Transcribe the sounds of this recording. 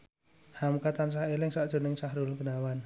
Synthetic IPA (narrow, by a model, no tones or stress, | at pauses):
hamkat̪ans̬aɦelɪŋsaʔdʒ̥o̤nɪŋsaɦɾʊlɡənawan